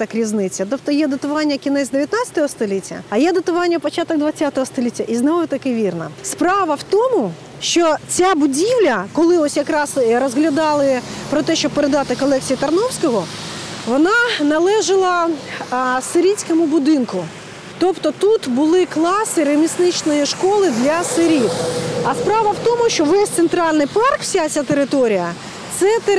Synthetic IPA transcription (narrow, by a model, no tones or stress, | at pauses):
t̪ɐkɾʲiznɪt͡sʲːɐt̪ɔp̚t̪ɔjɛd̪ɐt̪ʊʋɑnʲːɐkʲinɛzʲd̪eʋʲjɐt̪nɑt͡sʲsʲɐ̥t̪ɔɦɔst̪ɔlʲitʲːɐ̰ɐjɛd̪ɐt̪ʊʋɑnʲːɐpɔt͡ʃat̪ɔɡ̚d̪ʋɐt͡sʲːat̪ɔɦɔst̪ɔlʲitʲːɐʔiznɔʋʊt̪ɐkɪʋʲirnɐ̰spɾɑʋɐwt̪ɔmʊ | ʃt͡ʃɔt͡sʲabʊdʲiwlʲɐkɔlˠɪɔsʲjɐkɾɑsɾɔzɦlʲɐd̪ɑlˠɪpɾɔt̪ɛʃt͡ʃɔb̚peɾed̪ɑt̪ɪkɔlˠɛk̚t͡sʲijit̪ɐrnɔwsʲkɔɦɔʋɔnɑnɐlˠɛʒɪlˠɐ | sɪɾʲisʲkɔmʊbʊd̪ɪnkʊ | t̪ɔpt̪ɔt̪ut̪bʊlˠɪklˠɑsɪɾemʲisnɪt͡ʃnɔjiʃkɔlˠɪd̪lʲɐsɪɾʲit̪ɐspɾɑʋɐwt̪ɔmʊʃt͡ʃɔʋɛsʲt̪sent̪ɾɑlʲnɪjpɑrkwsʲat͡sʲat̪eɾɪt̪ɔɾʲijɐ | t̪sɛt̪e